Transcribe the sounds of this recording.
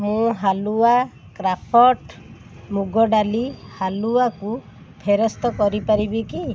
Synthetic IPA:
mũɦalua | kɾapʰɔʈ | muɡɔɖalihaluaku | pʰeɾɔst̪ɔkɔɾipaɾibiki

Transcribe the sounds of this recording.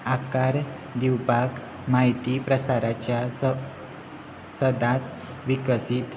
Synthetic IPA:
akaɾ | d̪iwpak | maɦit̪ipɾəsaɾat͡ɕja | səd̪ʱat͡s | ʋikəsiːt̪

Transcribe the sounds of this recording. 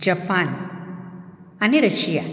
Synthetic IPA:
d͡ʒɐpːaːn | ɐniɾɐʃija

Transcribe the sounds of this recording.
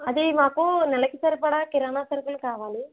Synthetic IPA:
ɐðemaːkonɛlɐkːisɐɾipɐɽaːkɪɾaːnaːsɐɾkːɐlkaːʋaːli

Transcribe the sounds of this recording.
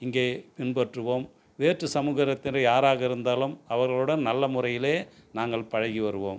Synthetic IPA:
ɪŋɡeːpɪnbɐʈrɯʋoːm | ʋeːʈrɯsɐmuːɣɐɾɐt̪ːɪnɐjaːɾaːɣɐɪɾɯnd̪aːlɯmɐʋɐɾɣɐɭɯɽɐnnɐlːɐmʊrɐjɪleːnaːŋɡɐɭpɐɻɐɣiʋɐɾɯʋoːm

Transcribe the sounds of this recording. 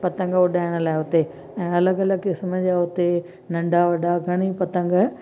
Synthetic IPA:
pɐt̪ə̃ŋɡʊɗaːɪɽ̃ə̆laːɪɦʊt̪e | ɛ̃ːɐləɡɐləɡkɪsməd͡ʑaːɦʊt̪e | nɐ̃ɳɖʱaʋɐɖaɡʱɐɽ̃ipɐt̪ə̃ŋɡ

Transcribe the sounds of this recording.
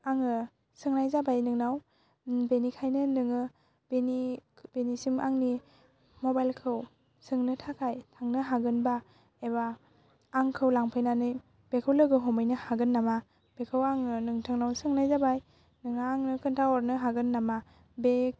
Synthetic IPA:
aŋɯ | sɯŋnajzabajnɯŋnaw | benikʰajnɯnɯŋɯ | b̥enib̥enisimaŋni | mɔbajlkʰɯw | sɯŋnɯtʰakʰajtʰaŋnɯɦaɡɯnba | ebaː | ŋkʰɯwlaŋpʰɯjnanɯj | b̥ekʰɯwlɯɡɯɦɔmɯjnɯhaɡɯnːama | b̥ekʰɯwaŋɯnɯŋtʰɯŋnawsɯŋnajzabaj | nɯŋnaːŋnɯkʰɯntʰaɔɾnɯɦaɡɯnːama | be

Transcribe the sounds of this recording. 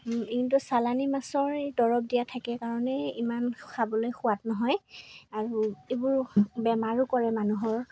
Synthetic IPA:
intusalanimasɔɹedɔɹɔp̚dijatʰakɛkaɹɔnɛimansabɔlojxʊwatnɔɦɔjaɹuebuɹbɛmaɹukɔɹɛmanuɦɔɹ

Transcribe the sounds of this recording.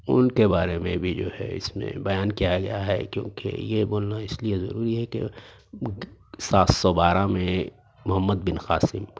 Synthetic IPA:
ʊ̰nkebaːɾemẽbʱid͡ʒo̰ːɦɛ̰ɪ̰smḛ̃bɐjaːnkijaɡɐ̰jaɦɛ̰kjõ̰ːkḛjeboːlnaɪsliezɐ̰ɾuːɾiɦɛkḛ | saːt̪sɔbaːɾamẽ | mʊɦəmːəd̪̚bɪnxaːsɪm

